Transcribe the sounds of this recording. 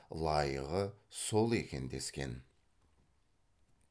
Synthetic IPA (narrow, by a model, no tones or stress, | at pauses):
lˠɑjəʁəso̞lˠe̞kʲe̞nd̪e̞skʲe̞̰n